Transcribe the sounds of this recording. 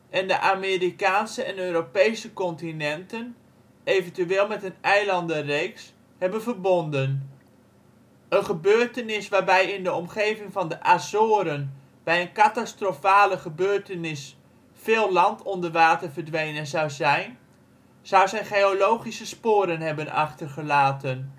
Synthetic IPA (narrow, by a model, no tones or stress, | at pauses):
ʔɛndə̰ʔaːmɪːɾikaːnsəɛnøːɾopejsəkɔntinɛntən | ejvəntyʋeːlˠmɛtənɛjlɑndərejks | hɛbənvəɹbɔndən | ənχəbøːɹtənɪsʋaːɹbɛjɪndəɔmχejvɪŋvɑndəʔazʊːɾən | bɛjənkatastrofaːləχəbøːɹtənɪs | fɪːlˠlɑntʰɔndəɹʋaːtəɹvəɹdʋejnənzʌwzɛjn | z̥ʌwzɛjnχejolowχisəspʊːɾənɦɛbənʔɑ̰χtərχəlaːtən